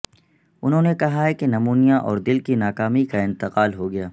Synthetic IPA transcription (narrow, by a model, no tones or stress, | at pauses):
ʊnɦõːnekɐɦaɦɛkenɐmuːnijãʔɔ̰ːɾd̪ɪlkinaːkaːmikaɪ̃nt̪ɪqaːlɦoɡɐjaː